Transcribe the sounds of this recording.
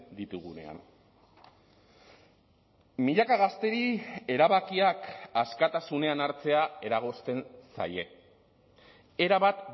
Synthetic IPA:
d̪it̪uɣune̞̰a̰n | miʎakaɣ̞ast̪e̞ɾie̞ɾaβakiakaskat̪asune̞anaɾt͡se̞ae̞ɾaɣ̞o̞st̪e̞nsa̰je̞ | eɾaβat̪

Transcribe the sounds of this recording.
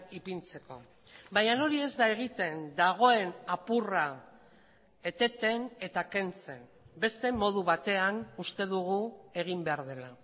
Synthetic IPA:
ipint͡se̞ko̞ | baɲano̞ɾie̞zd̪ae̞ɣ̞it̪e̞nd̪aɣ̞o̞e̞napura | e̞t̪e̞t̪e̞ne̞t̪ake̞nt͡se̞n | be̞st̪e̞mo̞ð̞uβat̪e̞anust̪e̞ðuɣue̞ɣ̞imbe̞aɾð̞e̞la

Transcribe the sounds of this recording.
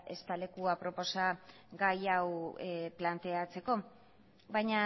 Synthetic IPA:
e̞st̪ale̞kuapɾo̞po̞sa | ɡajawplant̪e̞at͡se̞ko̞ | bajɲa

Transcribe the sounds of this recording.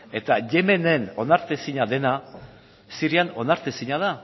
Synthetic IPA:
e̞t̪aʝe̞me̞ne̞no̞naɾt̪esiɲaðe̞na | siɾiano̞naɾt̪esiɲað̞a

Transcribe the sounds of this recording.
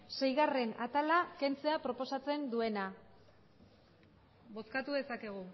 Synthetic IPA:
se̞jɣare̞nat̪alake̞nt͡se̞apɾo̞po̞sat͡se̞nd̪ue̞na | bo̞skat̪uðe̞sake̞ɣ̞u

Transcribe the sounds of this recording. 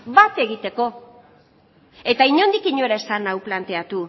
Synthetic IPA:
bat̪e̞ɣit̪e̞ko̞ | e̞t̪aiɲo̞nd̪ikiɲo̞eɾae̞sanawplant̪e̞at̪u

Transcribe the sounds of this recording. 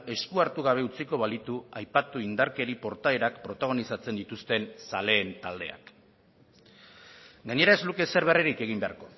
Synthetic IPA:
e̞skuaɾt̪uɣaβ̞e̞ut͡siko̞β̞alit̪uajpat̪uind̪aɾke̞ɾipo̞ɾt̪aeɾakpɾo̞t̪aɣ̞o̞nisat͡se̞nd̪it̪ust̪e̞nsale̞ːnt̪ald̪e̞a̰k | ɡaɲe̞ɾae̞zluke̞se̞ɾβ̞e̞reɾike̞ɣ̞imbe̞a̰ɾko̞

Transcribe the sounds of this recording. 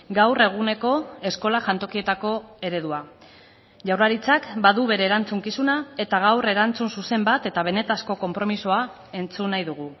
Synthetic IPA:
ɡawre̞ɣ̞une̞ko̞e̞sko̞laʝant̪o̞kie̞t̪ako̞e̞ɾe̞ðua | ʝawraɾit͡sakbaðuβe̞ɾe̞ːɾant͡suŋkisunae̞t̪aɣ̞awre̞ɾant͡sunsuse̞mbat̪e̞t̪aβ̞e̞ne̞t̪asko̞ko̞mpɾo̞misoa | e̞nt͡sunajðuɣ̞u

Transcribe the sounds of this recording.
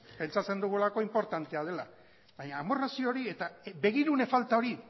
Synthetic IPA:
pe̞nt͡sat͡se̞nd̪uɣulako̞impo̞ɾt̪ant̪e̞að̞e̞la | βajɲaːmorasioːɾie̞t̪abe̞ɣ̞iɾune̞falt̪ao̞ɾi

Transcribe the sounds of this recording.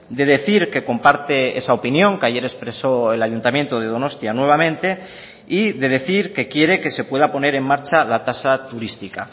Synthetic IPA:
d̪e̞ð̞e̞θiɾke̞ko̞mpaɾt̪e̞e̞̰sao̞pinjo̞ŋkeaʝe̞ɾe̞spɾe̞so̞elaʝunt̪amje̞nt̪oð̞e̞ð̞o̞no̞st̪janwe̞β̞amẽ̞nt̪e̞ | iðe̞ðe̞θiɾke̞kje̞ɾe̞ke̞se̞pwe̞ðapo̞ne̞ɾe̞mmaɾt͡ʃalat̪asat̪uɾist̪ika

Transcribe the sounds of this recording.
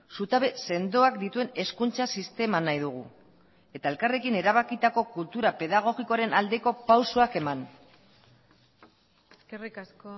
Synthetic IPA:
sut̪aβe̞se̞nd̪o̞akd̪it̪ue̞ne̞skunt͡ʃasist̪e̞manajðuɣ̞u | e̞t̪ae̞lkare̞kine̞ɾaβ̞akit̪ako̞kult̪uɾape̞ð̞aɣ̞o̞ɣiko̞aɾe̞nald̪e̞ko̞pawsoake̞man | eskerikasko

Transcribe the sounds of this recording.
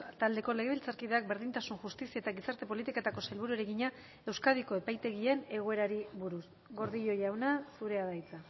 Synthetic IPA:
t̪ald̪e̞ko̞le̞ɣe̞βilt͡saɾkiðeak̚be̞ɾðint̪asunʝust̪isiaet̪aɣisaɾt̪e̞po̞lit̪iket̪ako̞salβuɾueɾeɣiɲa | e̞wskaðiko̞e̞pajt̪e̞ɣ̞ie̞ne̞ɣ̞o̞e̞ɾaɾiβuɾus | ɣo̞ɾðiʎo̞jawnasuɾe̞aðajt͡sa

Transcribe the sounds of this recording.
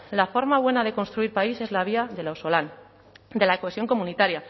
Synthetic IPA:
lafo̞ɾmaβwe̞naðe̞ko̞nst̪ɾuiɾpaise̞zlaβ̞iaðe̞laosolan | d̪e̞lakoesjo̞ŋko̞mũnit̪aɾja

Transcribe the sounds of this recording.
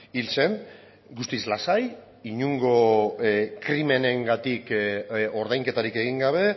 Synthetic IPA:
ilse̞n | ɡust̪islasaj | iɲuŋɡo̞ | kɾime̞ne̞ŋɡat̪iko̞ɾðajŋke̞t̪aɾike̞ɣ̞iŋɡaβ̞e̞

